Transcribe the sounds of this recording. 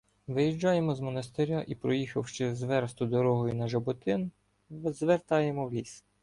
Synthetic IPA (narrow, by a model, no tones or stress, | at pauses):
ʋɪjiʒd͡ʒɑjemɔzmɔnɐst̪eɾʲaʔipɾɔjixɐwʃt͡ʃɛzʋɛɾst̪ʊd̪ɔɾɔɦɔjunɐʒɐbɔt̪ɪn | zʋert̪ɑjemɔwlʲis